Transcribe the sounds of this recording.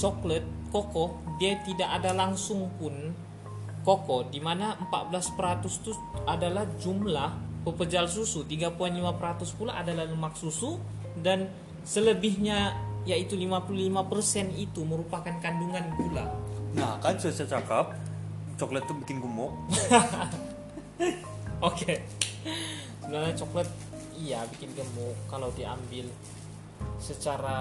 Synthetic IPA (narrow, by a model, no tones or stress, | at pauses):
t͡ʃɔklət̪̚kokɔdiat̪idakadalaŋsʊŋpʊn | kokɔdimanaəmpa̰ʔ̪̚bəlaspəɾat̪ʊst̪u | adalahd͡ʒumlahpəpəd͡ʒals̬usut̪iɡapuanlimapəɾat̪ʊspulaʔadalahləmak̚susu | dan | sələbɪhɲajait̪ulimapululimapərsɛnit̪uməɾupakankanduŋanpulanahkant͡ʃut͡ʃat͡ʃakap̚ | t͡ʃɔklət̪ːubikɪnɡəmʊʔ | oke | sənanat͡ʃɔklət̪̚ | ijabikɪnɡəmɔʔkːalawdia̰mbɪl | sət͡ʃaɾa